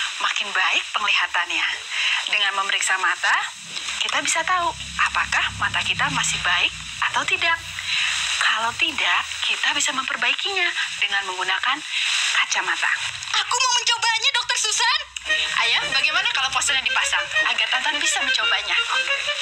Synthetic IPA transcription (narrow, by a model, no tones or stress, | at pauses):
makɪnbaɪk̚pəŋliɦat̪anjadəŋanməməɾiksamat̪a | kit̪abisat̪au | ʔapakahmat̪akit̪amasɪhbaɪk̚ | ʔat̪awt̪idakː | alawt̪idaʔkit̪abisaməmpərbaikiɲadəŋanməŋɡunakankat͡ʃamat̪a̰ | ʔakumaməɲt͡ʃobaɲadɔk̚t̪ɔrsusanʔajambaɡajmanakalawfɔst̪əɲadipasaŋʔaɡart̪ant̪aŋbisaməɲt͡ʃobaɲa